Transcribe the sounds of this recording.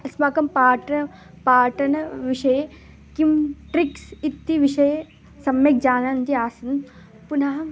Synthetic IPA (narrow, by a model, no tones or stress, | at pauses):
ɐsmaːkɐmpaːʈɐ | paːʈɐnʋiʃɐje | kimʈɾiksit̪ːiʋiʃɐj | sɐmjɐkd͡ʒaːnant̪iaːsɐn | punaɦɐ